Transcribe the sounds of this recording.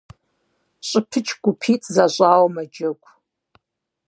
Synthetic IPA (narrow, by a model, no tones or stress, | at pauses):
ɕʼɪpʰɨt͡ʃʰɡ̥ʷʊpʰiːt͡sʼzaɕʼaːwɐmɐd͡ʒɐkʷʰʼ